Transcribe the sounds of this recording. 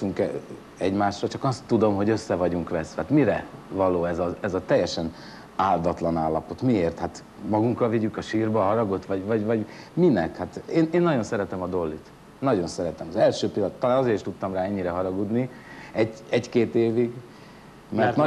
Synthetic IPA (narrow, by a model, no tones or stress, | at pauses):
tuŋkɛ | ɛɟmaːʃrɒt͡ʃɒkɒst̪ːud̪o̞mɦo̞ɟø̞sːɛvɒɟuŋkʋɛsɛ̰t̪miɾɛvɒloːɛzɒɛzɒt̪ɛjːɛʃɛn | aːld̪ɒt̪lɒnaːlːɒpo̞t̪mieːrt̪hat̪ | mɒɡuŋkɒlviɟykɒʃiːrbɒːɦɒɾɒɡo̞t̪ʋɒɟvɒɟvɒɟminɛkhat̪eːneːnːɒɟo̞nsɛɾɛt̪ɛmɒd̪o̞lːit̪ | nːɒɟo̞nsɛɾɛt̪ɛmɒzɛlʃøːpilːɒnt̪ːɒlaːnɒzeːɾiʃt̪ut̪ːɒmraːɛɲːiɾɛɦɒɾɒɡud̪ni | ɛɟɛɟkeːt̪eːviɡ | mɛrt̪nɒ